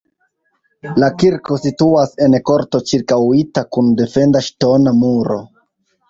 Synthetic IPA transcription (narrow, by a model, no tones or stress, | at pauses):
lakiɾko̞situase̞nko̞ɾto̞t͡ʃiɾkawitakunde̞fe̞ndaʃto̞namuɾo̞̰